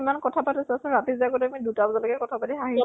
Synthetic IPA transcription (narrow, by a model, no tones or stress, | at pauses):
imankɔtʰatʰatesasɛ̃ɹatizakɔtamidutabzɔlɔkɛkɔtʰabadiɦaɦi